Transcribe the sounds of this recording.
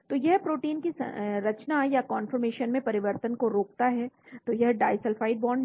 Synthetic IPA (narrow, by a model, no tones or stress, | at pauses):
t̪ojɐɦpɾoːʈiːnkisɾɐt͡ʃnajakɔːnfəɾmeːʃənmẽpɐɾɪʋəɾt̪ənkoɾoːk̚t̪aɦɛt̪ojɐɦɖaːɪsɛlfaːɪɖ̚bɔːɾɳ